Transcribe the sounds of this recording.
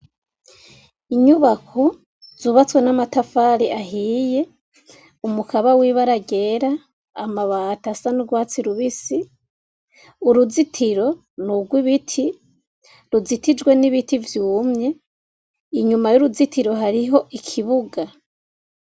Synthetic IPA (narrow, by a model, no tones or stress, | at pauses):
iɲuβakʰo | z̥uːβat͡swe̞namatafaɾiʔaɦiːje̞ | umukʰaβawiːβaɾaɡe̞ɾaː | maβaːtasanuɡwaːt͡siɾuβisi | uɾuzitʰiɾo̞ | nuɡwiβitʰi | ɾuzitid͡ʒɡwe̞niβitivjuːmɲe̞ | iɲumajuɾuzitiɾo̞ɦaɾiɦo̞ʔikʰiβuɡa